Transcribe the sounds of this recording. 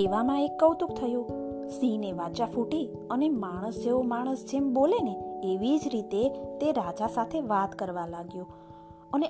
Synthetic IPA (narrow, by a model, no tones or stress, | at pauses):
eʋamãekːəwt̪uk̚t̪ʰəjo | sineʋat͡ʃafuʈi | ənemaɽ̃əsd͡ʒeomaɽ̃əsd͡ʒemboleneːʋid͡ʒɾit̪et̪eɾad͡ʒasat̪ʰeʋat̪kəɾʋalaɡjo | əne